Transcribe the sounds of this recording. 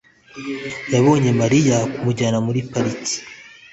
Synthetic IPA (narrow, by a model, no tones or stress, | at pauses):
jaβo̞ːɲe̞maɾijakumuɟaːnamuɾipaɾiti̥